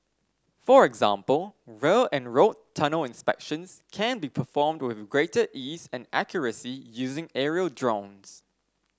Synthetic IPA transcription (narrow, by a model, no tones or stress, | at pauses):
fəɹɛɡzã̰mpəlˠɹelɨ̃nɹoʊtʰʌnəlˠɪ̃nspɛ̰kʃə̃nz̥kʰæ̃nbipʰəfɔːmdwɪðɡɹeɪtəʔiːzɨ̃næ̰kʰjəɹəsijʉːzɪ̃ŋɛɹiəlˠdɹõʊ̃nz̥